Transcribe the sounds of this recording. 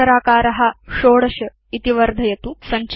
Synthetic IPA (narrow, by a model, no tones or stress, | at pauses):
ɐɾaːkaːɾɐɦɐ̆ʃoːɽɐʃɐ | it̪iʋɐɾd̪ʱɐjɐt̪usɐɲt͡ʃ